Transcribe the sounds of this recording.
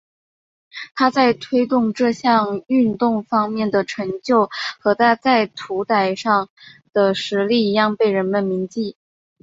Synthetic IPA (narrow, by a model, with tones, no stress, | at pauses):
t̪ʰa˥t͡sa˥˧ɪt̪ʰwe˥ɪt̪ʊ˥˧ŋʈ͡ʂɤ˥˧ɕjɑ˥˧ŋy˥˧nt̪ʊ˥˩ŋfɑ˥ŋmjɛ˥˩nd̪ə˩ʈ͡ʂʰɤ˧˥ŋt͡ɕjo˥˩ʊxɤ˧˥t̪ʰa˥t͡sa˥˩ɪt̪ʰu˧˥t̪a˨˩ɪʂɑ˥˩ŋd̪̥ə˩ʂɻ̩˧˥li˥˩i˧˥jɑ˥˧ŋpe˥˩ɪɻə˧˥nmə˧nmi˧˥ŋt͡ɕi˥˩